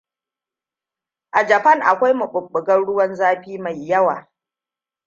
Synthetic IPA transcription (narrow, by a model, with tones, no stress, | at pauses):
ʔa˨d͡ʒɐ˨pɐ˦ŋʔa˨kʷa˦jmʊ˨ɓʊ˨ɓːʊ˨ɡɐ˦nɽʊ˦wɐ˦nzaː˦ɸiː˦ma˨jːɐ˦wa̰ː˨